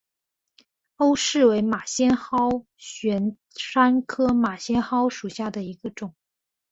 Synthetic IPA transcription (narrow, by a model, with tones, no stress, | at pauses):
o˥ʊʂɻ̩˥˩we˧˥ɪma˨˩ɕjɛ˥nxɑ˥ʊ | ɕɥɛ˧˥n | ʂa˥nkʰɤ˥ma˨˩ɕjɛ˥nxɑ˥ʊʂu˨˩ɕja˥˩d̪ə˩i˧˥ɡə˧ʈ͡ʂʊ˨˩˦ŋ